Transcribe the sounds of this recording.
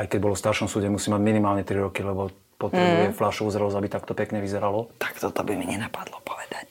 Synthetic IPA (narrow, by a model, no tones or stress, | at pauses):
ajkɛɟbɔlɔfst̪aɾʃɔmsuːɟɛmusiːmaɟminimaːlɲɛt̪ɾiɾɔkilɛbɔ | pɔt̪ɾɛbujɛflaʃɔuzɾɛlɔzabit̪akt̪ɔpɛkɲɛʋizɛɾalɔt̪ḁkt̪ɔt̪ɔbimiɲɛnapad̪lɔpɔ̥ʋɛd̪ac